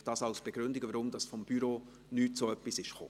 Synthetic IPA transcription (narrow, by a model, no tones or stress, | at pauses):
d̥ɑːsɑʊsb̥eɡ̥ɾʏndɪɡʋaɾʊmd̥ɑsfɔmb̥yɾoː | nyːtsoœpːisɪʃχo̰ː